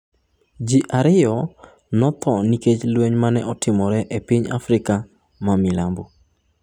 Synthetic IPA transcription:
d͡ʒiʔaɾɪjɔ | nɔt̪ʰɔniket͡ʃlweɲmanɛʔɔtɪmɔɾɛʔepiɲa̰fɾɪka | mamɪlambo

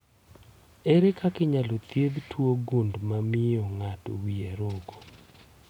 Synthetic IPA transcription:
eɾekakɪɲalot̪jed̪twoɡundmamɪɔŋato̰wiaɾɔɡo

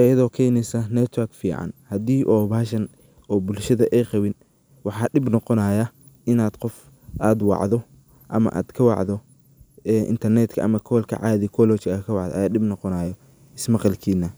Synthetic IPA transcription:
ɐjɐðɔːkʰɛjnɛjsɐnɛt̪ʰwɐrkfḭːʕɑ̰nhɐd̪iːʔɔːβaːʃɐn | ɔːbʊlʃɐðɐʔɛjqɑwɪn | wɑħɑːɗɪbnɔqɔnaːjɐ | ɪnaːd̪qɔf | ʔaːd̪wɑ̰ʕðɔ | ʔɐmɐ̰ʔa̰ːd̪̥kʰɐwɑ̰ʕðɔ | ɛːʔɪ̰nt̪ʰɐrnɛt̪kʰɐʔɐmɐkʰɔːlkʰɐ̰ʕɑːðikʰɔlɔt͡ʃɪɐkʰɐwɑ̰ʕd̪ɐ̰ʔɐjaːɗɪbnɔqɔnaːjɔ | ɪsmɑqɑlkʰiːnːɐ

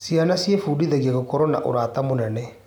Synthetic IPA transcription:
sianasiefuːdiðɛɣiaɣokɔɾɔna̰ʔo̰ɾaːt̪amonɛnɛ

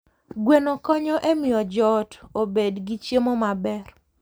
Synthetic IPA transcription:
ɡwenokɔɲɔʔemɪjɔd͡ʒɔtobedɡit͡ʃjemomabɛr

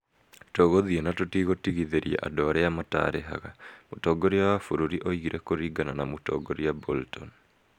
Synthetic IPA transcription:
toɣoðienatotiɣotiɣiðeɾia̰ʔa̰dɔaɾɛjamata̰ɾeɦa̰ɣamotɔːɡoɾiawafuɾuɾiʔoiɣiɾʔekoɾiɡananamotɔ̰ːɡoɾiaboltɔn

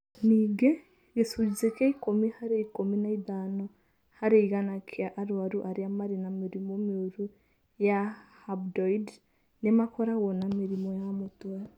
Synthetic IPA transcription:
niːɡe | ɡesuɾizekeikomihaɾeikominaiðano | haɾeiɣanakʰiaʔaɾwaɾuʔaɾiamaɾinamiɾimomioɾu | jahabdoid | nemakoɾaɣonamiɾimojamotwa

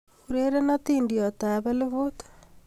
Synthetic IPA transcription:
uɾeɾenatiːndiɔtaβeleβot̪ḁ

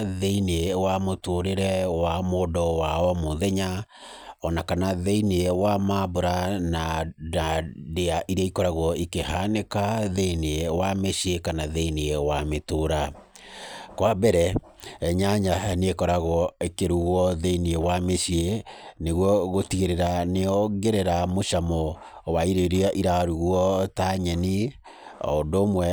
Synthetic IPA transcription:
ðeinewamotoɾeɾɛwamodɔwaɔmoðɛɲa | ɔnakanaðeinewamaboɾanadadeaʔiɾaikɔɾaɣɔikehanekaðeinewameʃiekanaðeinewametoɾa | kwabɛɾɛ | ɛɲaɲaneekɔɾaɣɔekeɾuɣwɔðeiniewameɕieneɣwɔɣotiɣeɾeɾaneɔɡeɾeɾamoʃamɔ | waiɾeɾeɔʔiɾaɾuɣwɔtaɲɛni | ɔ̰ndomwɛ

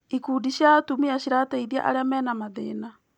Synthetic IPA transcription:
ikuːdiɕjatumiaɕiɾataiðia̰ʔa̰ɾeamɛːnamaðḛːna

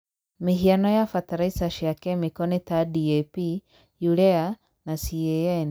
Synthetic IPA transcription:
meɦianɔjafataɾaisaʃiakɛmekɔnetadiɛpi | juɾɛa | nasiɛjan

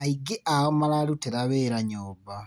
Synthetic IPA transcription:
aiɡeʔaɔmalaluteɾaβeːɾaɲoːba

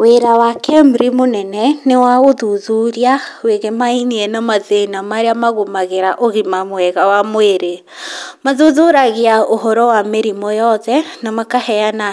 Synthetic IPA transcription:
weɾawakɛmɾimonɛnɛnewaɣoðuðuɾiaweɣemainiɛnamaðenamaɾeamaɣomaɣeɾaʔoɣimamwɛɣawamoeɾe | maðuðoɾaɣeaohɔɾɔwameɾimɔjɔðɛnamakahɛana

